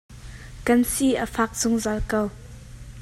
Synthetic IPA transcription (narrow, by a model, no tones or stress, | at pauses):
kɐnsiʔəfak̚t͡sʊŋzalkɐw